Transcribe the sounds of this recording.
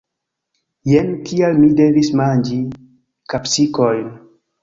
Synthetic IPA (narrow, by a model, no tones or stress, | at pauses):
jentʰialmide̞vismand͡ʒi | kapsikojn